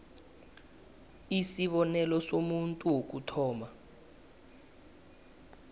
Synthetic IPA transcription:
isiɓɔnɛlɔsomuntʼuwok̬utʰɔːma

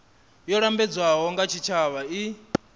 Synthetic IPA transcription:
jɔɺambɛd͡zwaɦɔŋɡat͡ʃʰit͡ʃʰaβai

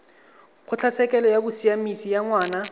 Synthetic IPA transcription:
χʊt͡ɬʰat͡sʰɛkʼɛlɔjabʊsiamisijaŋwaːna

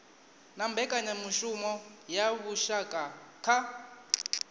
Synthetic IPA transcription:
nambʱɛkʼaɲamuʃumɔjaβuʃakʼakʰa

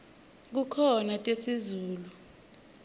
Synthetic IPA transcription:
k̬ukʰɔnatʼesizuːlu

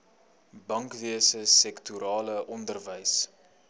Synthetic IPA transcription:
bɐŋkviəsəsɛktuɾɑːləʔɔndərvəjs

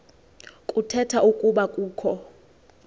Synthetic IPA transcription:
kʼutʰɛtʰaukʼuɓakʼuːkʰɔ

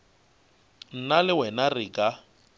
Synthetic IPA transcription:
n̩nalɪwɛnarɪkʼa

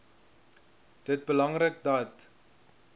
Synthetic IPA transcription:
d̥ət̚bəlɐŋrək̚dɐt

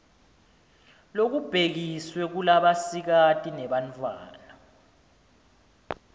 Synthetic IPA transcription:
lok̬ub̥ʱek̬iswɛk̬ulaɓasik̬atʼinɛɓantʼwa̰ːna

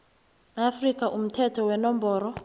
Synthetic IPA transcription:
afrikʼaʔum̩tʰɛtʰɔwɛnɔmbʱɔːrɔ

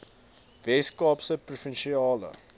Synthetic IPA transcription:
vɛskɑːpsəprufənʃiɑːlə̰

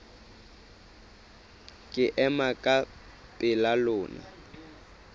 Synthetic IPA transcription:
kʼɪʔɛmakʼa | pʼɪlalʊːna̰

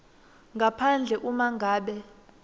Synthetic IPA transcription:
ŋɡʱapʰand͡ɮʱɛʔumaŋɡʱaːɓɛ

